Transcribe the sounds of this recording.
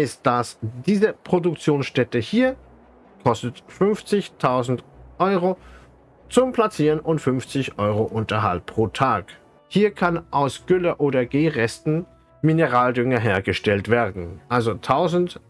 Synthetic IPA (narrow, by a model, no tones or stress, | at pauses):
ɪst̚d̥asd̥iːzəpʁ̥odʊkt͡sjoːnsʃtɛtəhiːɐ | kʰɔstətfʏnft͡sɪçtʰaʊzn̩tʔɔʏʁo | t͡sʊmplat͡siːʁənʔʊntfʏnft͡sɪçʔɔʏʁoʔʊntɐɦa̰lpʁ̥oːtʰaːk | hiːɐkʰanʔaʊsɡ̥ʏlɐʔoːdɐɡeːʁɛstn̩ | minəʁaːldʏŋɐɦeːɐɡəʃtɛltv̥eːɐdn̩ʔalzotʰaʊzn̩t